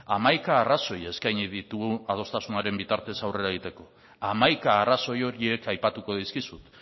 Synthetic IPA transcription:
amajkaːraso̞je̞skajɲiðit̪uɣuað̞o̞st̪asunaɾe̞mbit̪aɾt̪e̞sawre̞ɾaðit̪e̞ko̞ | amajkaːraso̞jo̞ɾie̞kajpat̪uko̞ð̞iskisut̪

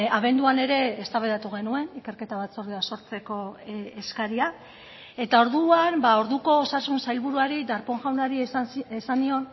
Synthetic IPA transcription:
aβe̞nd̪uane̞ɾe̞ːst̪aβeðat̪uɣ̞e̞nue̞nike̞ɾke̞t̪aβat͡soɾðeaso̞ɾt͡se̞ko̞eskaɾia | e̞t̪ao̞ɾðuanbao̞ɾðuko̞ːsasunsajlβuɾuaɾid̪aɾpo̞ŋʝawnaɾiesanio̞n

